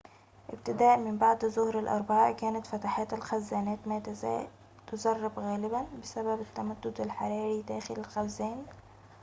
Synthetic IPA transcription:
ʔɪbt̪ɪd̪aːʔmɪmbaʕd̪zʊhɾalʔɑ̰ɾˤbaʕaːʔkæːnat̪fat̪aħaːt̪alxazːaːnaːt̪ma | t̪ʊzɑrˤːɑbɣaːlɪbanbɪsababat̪ːamad̪ːʊd̪alħɑɾˤɑːɾid̪æːxɪlalxazːaːn

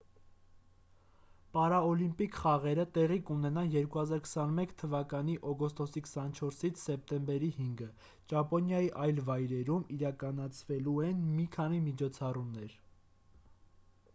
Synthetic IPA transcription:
pɑɾɑɔlimpikχɑʁɛɾət̪ɛʁikunɛnɑnjɛɾkuhɑzɑɾkʰə̥sɑnmɛkʰt̪ʰəvɑkɑn̪iʔɔɡɔst̪ɔsikʰə̥sɑnt͡ʃʰɔɾsit͡sʰsɛp̚t̪ɛmbɛɾihiŋɡə | d͡ʒɑpɔnjɑjiʔɑjlvɑjɾɛɾumiɾɑkɑnɑt͡sʰvɛluɛnmikʰɑnimit͡ʃʰɔt͡sʰɑrumnɛɾ

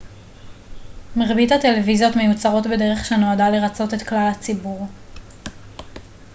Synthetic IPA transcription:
meʁbithate̞le̞vizjo̞t̪me̞jut͡saʁo̞tbe̞de̞ʁe̞χʃano̞adaleʁat͡so̞te̞tklalhat͡sibuʁ

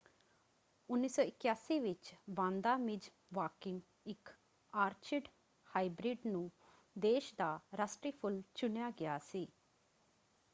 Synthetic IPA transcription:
ʊnːiːsɔːɪkjaːsiːʋɪt͡ʃbãːnd̪aːmɪd͡ʒ | ʋaːkɪ̃ŋɡ | ɪk | aːɾt͡ʃɪɖ | haːɪbɾɪɖnũ | d̪eːʃd̪aːɾasʈɾiːpʰʊlt͡ʃʊnjaːɡɪjaːsiː

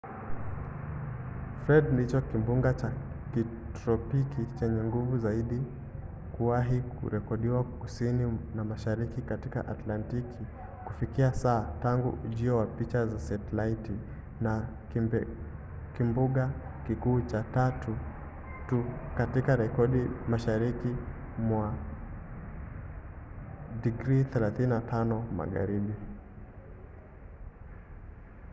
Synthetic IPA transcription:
fɾɛdndit͡ʃɔkimbuŋɡat͡ʃa | ki | tɾɔpikit͡ʃɛɲɛŋɡuvuzaiɗi | kuwaɦikṵɾɛkɔɗiwakusininamaʃaɾikikatika̰ʔatlantikʰi | kufikiasaːtaŋɡṵʔuʄiɔwapit͡ʃazasɛtlaiti | na | kimbuɠa | kikuːt͡ʃatatu | tukatikaɾɛkɔɗimaʃaɾiki | mwa | diɡɾiθɛlaθininatʰanɔma̰ɠa̰ɾiɓi

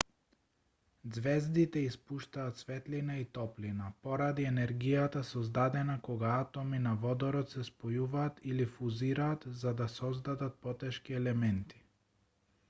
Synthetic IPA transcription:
d̪zvɛzd̪it̪ɛispuʃt̪aːt̪svɛt̪linait̪ɔplinapɔɾad̪iɛnɛɾɡijat̪asɔzd̪ad̪ɛnakɔɡaat̪ɔminavɔd̪ɔɾɔt̪sɛspɔjuvaːt̪ʰilifuziɾaːt̪zad̪asɔzd̪ad̪at̪̚pɔt̪ɛʃkiɛlɛmɛnt̪i̥

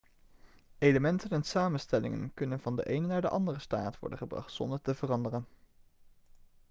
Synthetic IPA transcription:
ejləmɛntənɛnsaːmənstɛlɪ̰ŋə̰nkɵnənvɑndə̰ʔejnənaːɹdəʔɑndərəsta̰ːtʋɔ̰ɹdənχəbrɑ̰χtsɔ̰ndəɹtəvərɑndərən

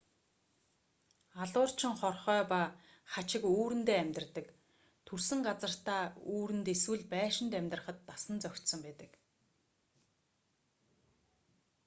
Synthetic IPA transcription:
aɮʊːr̥t͡ɕʰɪ̆ŋχɔrχœːpa | χat͡ɕɪ̆kuːɾɘ̆nt̪eːæmʲt̪ə̆rt̪ə̆k | t̪ʰursɘ̆ŋɢat͡sə̆r̥t̪aːuːɾɘ̆nt̪eswɘ̆ɮpæːʃɪ̆nt̪æmʲt̪rə̆χə̆t̪ːasə̆nt͡sœkʲt̪sə̆mpæːt̪ə̆k

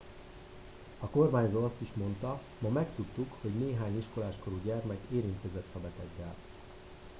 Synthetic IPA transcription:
ɒko̞rmaːɲzoːɒst̪iʃmo̞nt̪ɒ | mɒmɛkt̪ut̪ːukho̞ɟneːɦaːɲiʃko̞laːʃko̞ɾuɟɛrmɛkeːɾint̪kɛzɛt̪hɒbɛt̪ɛɡːɛ̰l

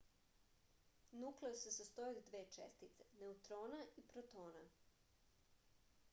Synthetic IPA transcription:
nukleosesast̪oid̪ʋeːt͡ʃḛst̪it̪se̥ne̞ut̪ɾoːnaipɾot̪oːna

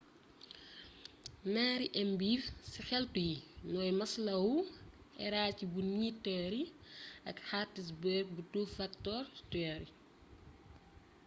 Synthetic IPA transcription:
naːɾiʔɛmbiːfsixɛltujinɔːjmɐslɐwu | ɛ̰ɾaːcibunitːɛːɾiɐkħaːtːis̬bɛk̚butuːfɐktɔrtuɛɾi

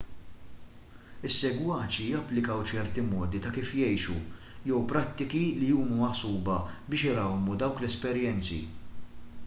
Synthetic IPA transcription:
ɪsːɛɡwɐːt͡ʃijɐpːlɪkɐwt͡ʃɛɾt̪imɔːd̪it̪ɐkiːfjɛjʃu | jɛwpɾɐt̪ːɪkilijuːmumɐħsuːbɐbɪːʃɪɾɐwmud̪ɐwklɛspɛɾjɛnt͡sḭ

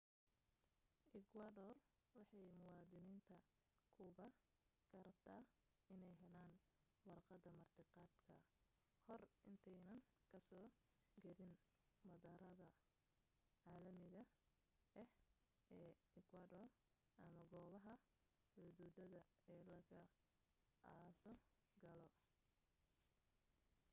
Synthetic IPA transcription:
ʔɪkʰwadɔr | wɑħɑjmʊwɑːðɪniːnt̪ʰɐ | kʰʊβɐ | ɡʰɐɾɐb̚t̪ʰaː | ɪnɛjɦɛlaːn | wɑrqɑd̪ɐmɐrt̪ʰɪqɑːd̪kʰɐ | hɔrʔɪnt̪ʰɛjnɐn | kʰɐsɔː | ɡɐɾɪn | mɐðɐɾɐðɐ | ʕaːlɐmɪɣɐ | ɛh | ɛːɪkʰwaːdɔr | ʔɐmɐɡɔːβɐɦɐ | ħʊðuːðɐðɐ | ɛːlɐɣɐ | aːsɔ | ɡɐlɔ

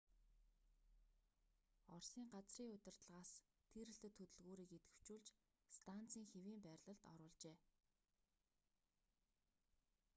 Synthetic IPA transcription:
ɔrsiːŋɢat͡sriːŋʊ̟t̪ɪ̆r̥t̪̆ɮʁaːst̪ʰiɾɘ̆ɬt̪ɘ̆t̪ʰːɵt̪ɵ̆ɮɣoːɾiːket̪ɡɘ̆w̥t͡ɕuːɮt͡ɕ | st̪ʰan̥t͡sʰiːŋxewiːmpæːɾʲɮə̆ɮt̪ɔɾʊːɮt͡ɕeː

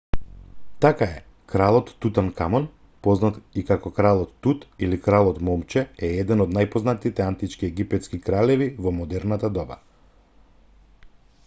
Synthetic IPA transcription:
t̪akaɛ | kɾalˠɔt̪ːut̪ankamɔn | pɔznat̪ikakɔkɾalˠɔt̪ːut̪ilikɾalˠɔt̪mɔmt͡ʃɛɛɛd̪ɛnɔd̪najpɔznat̪it̪ɛant̪it͡ʃkiɛɡipɛt̪skikɾalɛvivɔmɔd̪ɛɾnat̪ad̪ɔba̰

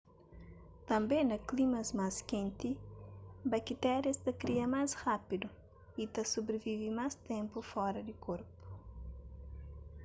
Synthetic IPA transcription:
t̪ɐ̃mbẽnɐklimɐzmaskẽnt̪i | bɐkit̪ɛɾɐst̪ɐkɾiɐmazhapid̪u | it̪ɐsobɾevivimast̪ɛ̃mpufɔɾɐd̪ikoɾpu̥

